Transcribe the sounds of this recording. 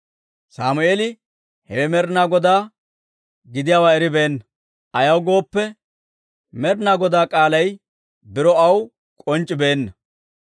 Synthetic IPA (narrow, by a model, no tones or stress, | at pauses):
saːmʊeːlɪ | hɛwɛmɛɾnaːɡɔd̪aː | ɡɪd̪ɪjaːwaːɛɾɪbe̞ːnːɐ | ʔɐjɐwɡo̞ːpːɛ | mɛɾnaːɡɔd̪aːkʼaːlɐj | bɪɾɔɐw | kʼɔnt͡ʃʼːɪbe̞ːnːɐ